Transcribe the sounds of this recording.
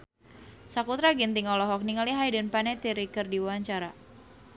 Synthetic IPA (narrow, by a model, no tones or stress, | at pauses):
sakut̪ɾaɡint̪iŋɔlɔɦɔk̚niŋaliɦajdənpanɛt̪iɾikərdiwaaɲt͡ʃaɾa